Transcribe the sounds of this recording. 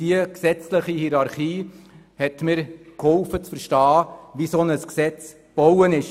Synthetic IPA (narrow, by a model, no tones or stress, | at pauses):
d̥iəksɛt͡sləχihiɾɑɾχiː | hɛtmɪɾkhɔlfət͡sfəɾʃtɑːʋisɔnəsksɛt͡s | b̥owənɪʃ